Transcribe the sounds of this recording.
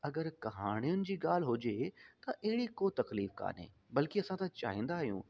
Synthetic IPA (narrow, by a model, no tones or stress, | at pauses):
ɐɡəɾkɐɦaːɽ̃ijʊnɪ̆d͡ʑiːɡaːl̤ɦʊd͡ʑet̪ɐʔɐɦɪɽikot̪ɐkliːfka̰ːnɦḛː | bɐlkiɐsãt̪ãt͡ɕa̰ːɦĩːnd̪aːɦijṵ̃ː